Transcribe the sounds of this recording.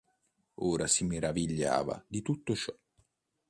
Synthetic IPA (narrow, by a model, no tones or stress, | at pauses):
oːɾasimeɾaviʎːa̰ːva̰d̪it̪ut̪ːot͡ʃɔ